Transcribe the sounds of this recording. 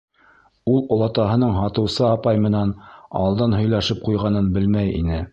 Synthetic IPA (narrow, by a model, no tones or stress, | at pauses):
ulˠŏlˠɑt̪ɑɦɤ̆nɤɴɦɑt̪ɤ̆wsɤɑpɑjmɘ̆nænɑ̰lˠd̪ɑnɦɵ̆jlæʃɘp̚qujʁɑnɤnbɘlmæjḭnɘ